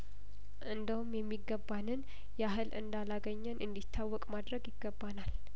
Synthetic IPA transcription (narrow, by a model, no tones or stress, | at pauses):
ʔɨnd̪əhumjɛmːiɡːəbːanɨn | jɛaɦɨlʔɨ̰nd̪alaɡəɲːɛnʔɨnd̪it̪ʰːawːɔkʼmad̪ɾəɡjɪɡːəbːanal